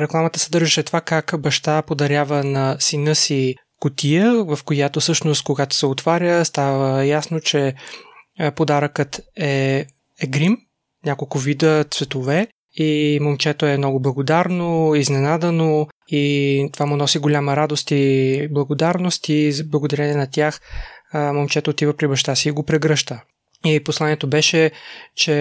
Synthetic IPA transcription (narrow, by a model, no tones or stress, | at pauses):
ɾɛklˠamət̪əsɛd̪ɤɾʒɛʃɛt̪vakakbɐʃt̪apod̪ɐɾʲjavənɐsinɤsi | kʊt̪ijəvɐfkojat̪ofsɤʃnost̪̚koɡat̪o̥sɛot̪vaɾʲjəst̪avəjasnot͡ʃɛ | pod̪aɾəkət̪ɛ | ɛɡɾim | nʲakolˠkʊvid̪ət̪svɛt̪ovɛ | imomt͡ʃɛt̪oɛmnɔɡʊblˠɐɡod̪aɾnoiznɛnad̪ənoit̪ovamʊnɔsiɡolʲaməɾad̪ost̪iblˠɐɡod̪aɾnost̪iblˠɐɡod̪ɐɾɛniɛnɐt̪ʲjax | momt͡ʃɛt̪oːt̪ivəpɾibɐʃt̪asiːɡopɾɛɡɾɤʃt̪ə | iposlˠaniɛt̪obɛʃɛt͡ʃɛ